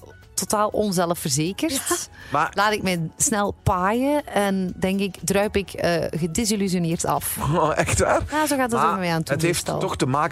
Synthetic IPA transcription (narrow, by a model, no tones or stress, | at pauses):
totaːlˠʔɔnzɛləfərzeːkərmalaːtɪkmɛjsnɛlˠpaːjəɛndɛŋkɪkdrœɥpɪkə̰ɣədɪzilys̬jonɪːrtɑ̰fʔɛxtʋa̰ːrjaːzoːɣaːtdɑtɔmɛaːntətheftɛ̰lɔxtəmaːk